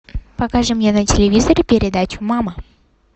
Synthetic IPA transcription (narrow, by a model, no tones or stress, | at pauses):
pɐkaʐɨmnjenətʲɪlʲɪvʲizəɾʲpʲɪɾʲɪd̪at͡ɕʊmamə